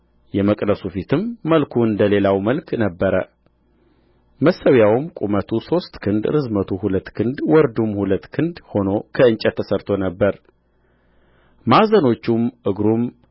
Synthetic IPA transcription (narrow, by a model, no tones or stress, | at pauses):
jɛməkʼdəsufit̪ʰɨmːəlkʰuɨnd̪əle̞lawməlkʰnəbːəɾə̰ | məsːəwjawɨmkʼumət̪ʰuso̞st̪ʼkʰɨnd̪ɾɨzmət̪ʰuhulət̪ːkʰɨnd̪wɔɾd̪umhulət̪ːkʰɨnd̪ho̞no̞kʰəɨnt͡ʃʼɛt̪ʰːəsəɾt̪ʰo̞nəbːəɾ | mazəno̞t͡ʃːumʔɨɡɾum